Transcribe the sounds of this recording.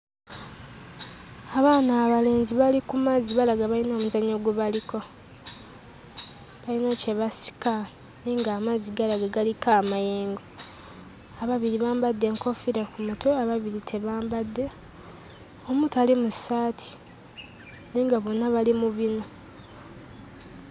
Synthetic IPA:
aβaːnaːβale̞ːnziβalikumaziβalaɡaβainamuzaɲoɡweβaliko̞ | βainace̞βasi̥ka | neŋɡaːmaziɡalaɡaɡalikaːmajeːŋɡo | aβaβiɾiβaːmbadːe̞ŋkʰo̞fiɾakumatʰoaβaβiɾitʰe̞βaːmbadːe̞ | omutalimusaːtʰi̥ | neːŋɡaβonːaβalimuβino̞

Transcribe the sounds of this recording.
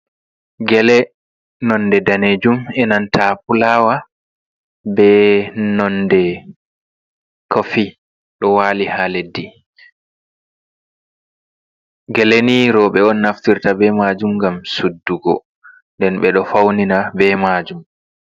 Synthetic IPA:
ɡɛlɛ | nɔnːdɛdaneːd͡ʒumɛnantʰapulaːwa | bɛnɔndɛ | kofi | ɗɔwaːlihaledːi | ɡɛleniɾɔɓɛɔnːaftiɾtabɛmaːd͡ʒumŋɡamsudːuɡɔ | ndɛnɓɛɗɔfawninabɛmad͡ʒum

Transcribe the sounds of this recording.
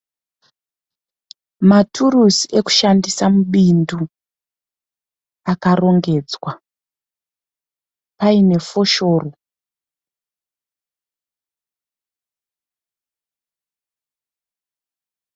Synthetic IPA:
matʰurusiʔe̞ku̥ʃandisamuɓindu | akaro̞ŋɡe̞d͡zwa | paine̞fo̞ʃo̞ro

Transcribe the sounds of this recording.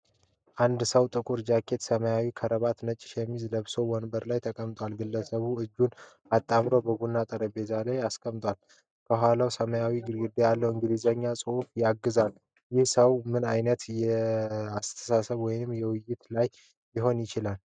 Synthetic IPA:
ʔand̪səwt̪ʼɨkʼuɾd͡ʒakʰːe̞t̪səməjawikʰəɾəβat̪nət͡ʃʼːɪ̥ʃɛmːizləβso̞wɔnbəɾlajt̪ʰəkʼəmt̪ʼwalɡɨlːəsəβuɨd͡ʒːun | at̪ʼːamɾo̞bəɡunːat̪ʼəɾəbezalajaskʼəmt̪ʼwal | kʰəɦʷalawsəməjawiɡɨɾɡɨd̪ejalːəwɨŋɡɨd̪izəɲːasʼɨufjaɡːɨzal | jɪhsəwmɨnajnət̪jɛast̪ʰə̥sasəβwɔjɪnɨmjɛwʊjːɪt̪lajː | ɪɦo̞njɪt͡ʃɪlal

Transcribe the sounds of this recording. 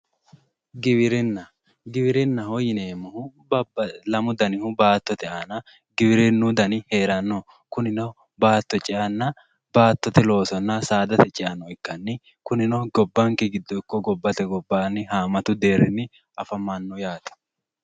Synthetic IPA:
ɡɪβɪɾɪnːɐ | ɡɪbɪɾɪnːɐhɔjɪneːmːɐhʊblɐmʊd̪ɐnɪhʊbaːt̪ːɔt̪ɛaːnɐ | ɡɪbɪɾɛnːud̪ɐnɪhe̞ːɾɐnːo | kʊnɪnɐ | baːt̪ːɔt͡ʃʼɪʔɐnːɐ | baːt̪ːɔt̪ɛlo̞ːsɔnːɐsaːd̪ɐt̪ɛt͡ʃʼɪʔɐnːɔɪkːɐnːɪ | kʊnɪnɐɡɔbːɐŋkɛɡɪd̪ːɔɪkːɔɡɔbːɐt̪ɛɡɔbːaːnːɪɦaːmɐt̪ʊd̪e̞ːɾɪnːɪ | ʔɐfɐmanːʊjaːt̪ɛ̥

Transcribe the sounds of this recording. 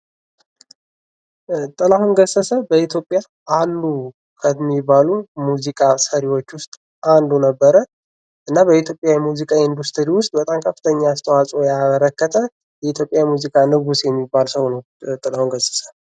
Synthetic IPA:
t̪ʼɨlahunɡəsəsəbəit̪ʰjo̞pʼja | ʔalːu | kʰəmːibalumuzikʼasəɾiwo̞t͡ʃːwʊst̪ʼ | ʔand̪unəbːəɾə | ʔɨnːabəit̪ʰjo̞pʼjajɛmuzikʼaind̪ust̪ʰɨɾiwʊst̪ʼbət̪ʼamkʰəfːi̥t̪ʰəɲːaːst̪ʰəwasʼojaməɾəkːət̪ʰə | jɛit̪ʰjo̞pʼjajɛmuzikʼanɨɡusjɛmːibːalsəwnəw | t̪ʼɨlahunɡəsə̥sə

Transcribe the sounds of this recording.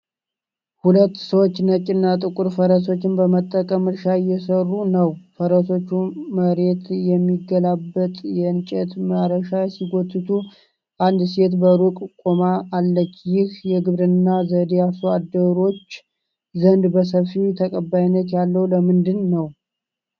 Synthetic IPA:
hulət̪ːsəwot͡ʃːnət͡ʃʼːɪnːat̪ʼɨkʼuɾfəɾəs̬o̞t͡ʃːɪnbəmət̪ʼːəkʼəmɨɾʃajɛsərːunəwfəɾəso̞t͡ʃːuməɾe̞t̪jɛmːiɡəlabːət̪ʼjɛɨnt͡ʃʼɛt̪məɾəʃajɛsiɡot̪ʰːɨt̪ʰu | ʔand̪se̞t̪bəɾukʼkʼomaːlːət͡ʃːjɪhjɛɡɨβɾɨnːazəd̪ejasuad̪əɾo̞t͡ʃː | zənd̪bəsəfiwt̪ʰəkʼəbajinːət̪jalːəwləmɨnd̪ɨnːəw

